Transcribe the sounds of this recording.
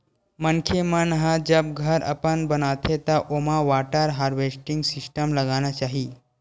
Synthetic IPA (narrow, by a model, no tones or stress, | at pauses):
mənkʰemənɦãd͡ʒəb̚ɡʱəɾʔə̰pənbənat̪ʰet̪aʔomaʋaʈəɾɦaɾʋesʈiŋɡsisʈəmləɡañjat͡ʃaɦi